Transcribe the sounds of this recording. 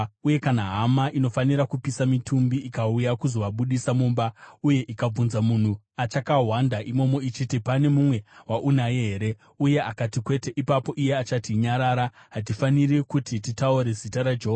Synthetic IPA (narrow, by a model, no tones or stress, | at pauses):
uje̞kanaɦamaʔino̞faniɾakupisamitʰumbiʔikaujakuzo̞ʋaɓuɗisamuːmbauje̞ʔikab͡vunzamun̤u | at͡ʃakaɦwandaʔimo̞moit͡ʃitipane̞mumwe̞waʔunajeɦe̞ɾe̞ | uje̞akatikwe̞te̞ʔipapo̞ʔije̞at͡ʃatiɲaɾaːɾaɦat̬ifanirikutititauɾe̞zitaɾad͡ʒoɦoa